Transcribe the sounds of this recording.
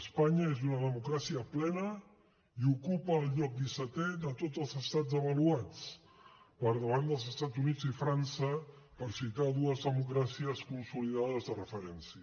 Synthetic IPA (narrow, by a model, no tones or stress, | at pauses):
əspaɲəezunəðəmukɾasiəplɛnə | iukupəːlˠʎɔk̚d̪isət̪ɛðət̪od͡zəlˠzəst̪ad͡zəβəluat͡s | pəɾðəβ̞and̪əlˠzəst̪add͡zunid͡zifɾansə | pəɾsit̪aðuəzðəmuk̬ɾasiəskunsuliðaðəzðərəfəɾɛnsiə